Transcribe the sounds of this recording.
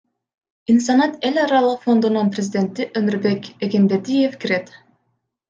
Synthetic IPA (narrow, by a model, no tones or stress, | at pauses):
insɑnɑt̪e̞lʲɑɾɑlˠɯqfo̞nd̪ununprʲezʲɪd̪ʲe̞nt̪iʔømyɾbe̞keɡenbed̪ije̞fkiɾe̞t̪